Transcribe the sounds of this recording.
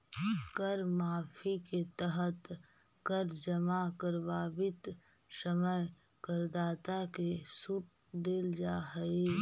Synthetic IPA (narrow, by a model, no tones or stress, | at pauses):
kəɾmaːfʰiket̪əɦət̪ | kəɾd͡ʒəmakəɾbaːbɪt̪ | səməj | kəɾd̪aːt̪akesuːʈ̚ | d̪eld͡ʒaːɦəe